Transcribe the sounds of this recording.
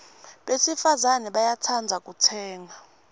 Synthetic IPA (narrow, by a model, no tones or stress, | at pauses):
ɓesifazanɛɓajatʰand͡zʱak̬ʼutʰɛːŋa